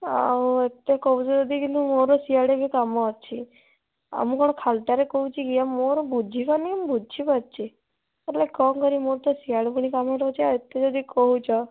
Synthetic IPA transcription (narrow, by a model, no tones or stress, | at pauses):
aoet̪ːekɔɦũt͡ʃʰɔd͡ʒɔd̪ʱikint̪umoɾosiaɽebʱikamɔt͡ʃʰi | ə̰mũkɔɽ̃ɔkʰalʈ̪aɾekɔɦũt͡ʃʰikiamːoɾobud͡ʒʱipaniəmbud͡ʒʰipatt͡ʃʰi | eʈlekɔmkəɾimoɾt̪ɔsiaɽebuɽ̃ikamɔʈɔt͡ʃʰiaet̪ːed͡ʒod̪ʱikɔɦũt͡ʃʰɔ